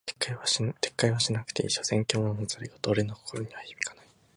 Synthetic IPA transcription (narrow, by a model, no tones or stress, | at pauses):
kːaβat̪ʰe̞̥kːaiβaɕinakɯ̥t̪eḭɕosẽ̞ŋkʲo̞ːnomazɨɾʲiɡot̪oːɾenoko̥koɾo̞ɲ̟iβaçibʲi̥kanai̥